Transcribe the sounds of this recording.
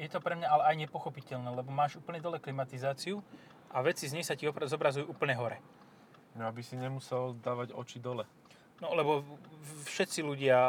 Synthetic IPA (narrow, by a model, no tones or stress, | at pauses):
jɛt̪ɔpɾɛmɲaalɛajɲɛpɔxɔpicɛʎnɛːlɛbɔmaːʒuːpl̩ɲɛd̪ɔlɛklimat̪izaːt͡siu | ʔaʋɛt͡sizɲɛjsaciɔzɔbɾazujuʔuːpl̩ɲɛɦɔɾɛ | nɔabisiɲɛmusɛld̪aːʋaɟɔ̰t͡ʃid̪ɔlɛ | nɔlɛbɔfʃɛt̪t͡siluɟɪa